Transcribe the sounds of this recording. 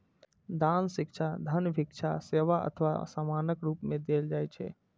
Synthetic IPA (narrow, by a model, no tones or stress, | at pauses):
d̪ansɪkt͡ʃʰad̪ʱənbʱikt͡ʃʰaseʋaʔə̰t̪ʰəʋa̰samanəkɾupmẽd̪eld͡ʒajt͡ʃʰɛ̰